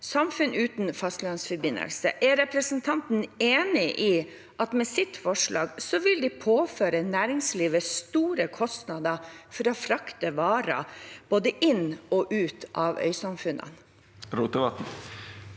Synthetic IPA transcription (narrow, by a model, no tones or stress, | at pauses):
sɑmfʉnʉːt̪nfɑst̪lɑnsfɔɾbɪnːə̰lsə̰ʔæɾɛpɾəsənt̪ʰɑnt̪n̩eːnɪʔiː | ʔɑt̪mɛsɪt̪fɔʂɭɑ̰ːɡsɔʋɪld̪ɪpʰoːføːɾənæːɾɪŋsliːʋəst̪uːɾəkʰɔst̪nɑd̪ɑfɔɾɔfɾɑkt̪əʋɑːɾɑ̰b̥oːd̪əʔɪnɔʔʉːt̪ʰʔɑːʋœ̰ʏsɑmfʉnə̰n | ɾuːt̪əʋɑt̪n̩